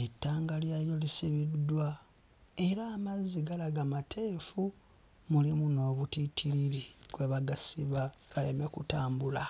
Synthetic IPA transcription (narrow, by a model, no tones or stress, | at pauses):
etːaːŋɡaljajo̞lisiβidːwa | e̞ɾaːmazːiɡalaɡamatʰe̞ːfu | mulimuno̞ːβutitʰiɾilikwe̞βaɡasiβaɡ̥ale̞mekutaːmbula